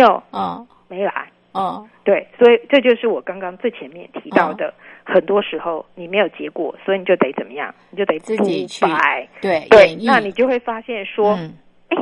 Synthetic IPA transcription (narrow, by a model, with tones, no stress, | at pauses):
e˧˥jo˨˩˦ʊ˩ | me˧˥ɪla̰˧˥ɪ˩ | t̪we˥˩ɪswɔ˧˥i˨˩ʈ͡ʂɤ˥˧t͡ɕjo˥˧ʊʂɻ̩˥˩wɔ˨˩kɑ˥ŋkɑ˥ŋt͡swe˥˩ɪt͡ɕʰjɛ˧˥nmjɛ̰˨˩nt̪ʰi˧˥t̪ɑ˥˩ʊd̪ə̰˩xə˨˩nt̪wɔ˥ʂɻ̩˧˥xo˥˧ʊni˨˩me˧˥ɪjo˨˩ʊt͡ɕjɛ˧˥kwɔ˨˩swɔ˧˥i˧˥n˨˩t͡ɕo˥˩ʊt̪e˧ɪt͡sə˨˩mə˦jɑ̰˥˩ŋni˨˩t͡ɕjo˥˩ʊt̪e˧˦ɪpu˥pa˧˦ɪwt̪we˥˩ɪna˥˩ni˨˩t͡ɕjo˥˧ʊxwe˥˩ɪfa˥ɕjɛ˥˩nʂwɔ˥ | e˥˩ɪ